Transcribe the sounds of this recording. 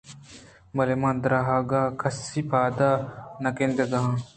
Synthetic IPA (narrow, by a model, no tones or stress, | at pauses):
mɐlemãːnd̪ɾaɦaːɡaːkʰɐsːipʰaːd̪aːnɐkend̪ɐɡɐɦã